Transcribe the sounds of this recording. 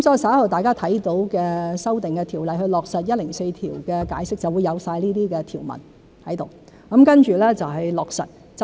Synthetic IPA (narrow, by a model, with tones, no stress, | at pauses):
msɔː˧˥˨sɐ˨˥ɐ˥hɐ˨˩t̪aː˨jkaː˥t̪ʰɐ˨˥jt̪o˨˥wkɛː˧sɐ˥wt̪ɪ˨˩ŋkɛː˧t̪ʰiː˨˩wlɐ˨jhɵ˧ɥlɔː˨k̚sɐ˨t̚jɐ˥t̚lɪ˨˩ŋse˧jt̪ʰiː˨˩wkɛː˧kaː˨˥jsɪ˥k̚t͡sɐ˨˩wuː˨˧jɐ˨˧wsaː˧jliː˥t̪iː˥kɛː˧t̪ʰiː˨˩wmɐ̰˨˩n | hɐ˨˥jt̪o˨˩w | kɐ˨˥mkɐ˥nt͡ʃyː˨˩lɛː˥t͡sɐ˨wɦɐ˨jlɔː˨k̚sɐ̰˨t̚ | t͡s